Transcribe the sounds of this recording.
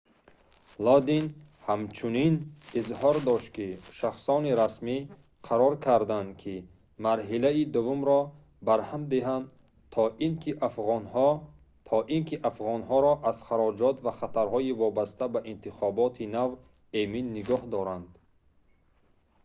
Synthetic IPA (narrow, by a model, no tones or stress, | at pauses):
lɔd̪in | hamt͡ʃʰuninizhɔɾd̪ɔʃt̪̚kiʃaχsɔniɾasmi | qʰaɾɔɾkʰaɾd̪and̪kʰi | maɾɦilaid̪uvumɾɔ | baɾhamd̪iɦand̪ | t̪ʰɔʔinkʰiʔafʁɔnhɔ | t̪ʰɔʔinkʰiʔafʁɔnhɔɾɔʔaz̥χaɾɔd͡ʒɔt̪vaχat̪ʰaɾhɔivɔbast̪abaʔint̪ʰiχɔbɔt̪ʰinav | eminːiɡɔhd̪ɔɾand̪